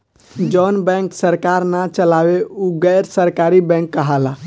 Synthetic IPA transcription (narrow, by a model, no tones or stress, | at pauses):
d͡ʒɔnbɛ̃ŋksəɾkaɾnat͡ʃəlaweuɡəjɾsəɾkaɾibɛ̃kːəɦala